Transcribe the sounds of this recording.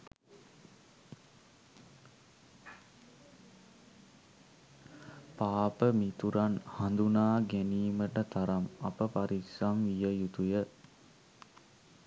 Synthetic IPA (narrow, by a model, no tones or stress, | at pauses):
paːpəmit̪uɾanhand̪unaːɡæniːməʈət̪aɾamapəpaɾiksamʋijəjut̪ujə